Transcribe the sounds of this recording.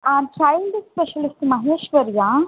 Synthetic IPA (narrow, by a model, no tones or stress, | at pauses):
ankʰajind̪ispeɕəlisʈməɦeːʃʋəɾjã